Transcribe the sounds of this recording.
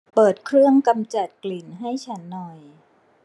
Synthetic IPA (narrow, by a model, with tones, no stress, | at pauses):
pɤː˨˩t̪̚kʰɾɯ˥˩əŋka˧mt͡ɕa˨˩t̪̚kli˨˩nɦa˥˩jt͡ɕʰa˦˥nːɔ˨˩j